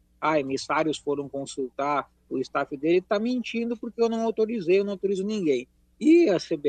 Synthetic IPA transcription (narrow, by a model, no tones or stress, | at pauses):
aemisaɾjʊsfoɾɐ̃w̃kõsuwt̪aɾ | ʊɪst̪afɪd̪elɪt̪amĩnt͡ʃĩnd̪ʊpoɾkeewnɐ̃w̃awt̪oɾizejewnɐ̃awt̪oɾizʊnĩŋɡẽj̃ | ɪɐsebe